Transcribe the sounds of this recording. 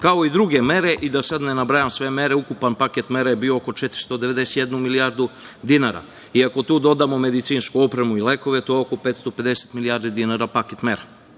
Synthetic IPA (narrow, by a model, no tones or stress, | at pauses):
kao̞id̪ɾuɡe̞me̞ɾe̞ʔid̪asad̪nenabɾajamsʋe̞me̞ɾe̞ukupanpaket̪me̞ɾajebiooko̞t͡ʃet̪ɾi̥st̪o̞d̪ee̞d̪e̞set̪je̞d̪numiliaɾd̪ud̪inaɾa̰ | iako̞t̪uːd̪o̞d̪amo̞me̞d̪it̪siːnskuo̞pɾemuile̞ko̞ʋe̞t̪ojeoko̞peːt̪st̪ope̞d̪e̞se̥t̪milijaɾd̪id̪inaɾapaket̪meɾa